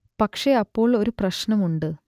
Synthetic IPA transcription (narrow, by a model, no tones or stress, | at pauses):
pɐkʂe̞ɐpːo̞ːɭo̞ɾuprɐɕnɐmuɳɖɨ